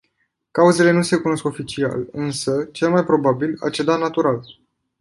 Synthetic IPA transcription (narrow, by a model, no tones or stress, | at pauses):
kauze̞le̞nuse̞kuno̞sko̞fit͡ʃia̰lɨnsət͡ʃe̞lmajpɾo̞babila̰t͡ʃe̞d̪anat̪uɾal